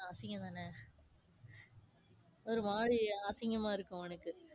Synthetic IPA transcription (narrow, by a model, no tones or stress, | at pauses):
ɐsɪŋɡɐd̪aːnɐ | ɔɾɯmaːɻiaːsɪŋɡɐmaːɪɾɯkːʊ̃ɛnɐkːɯ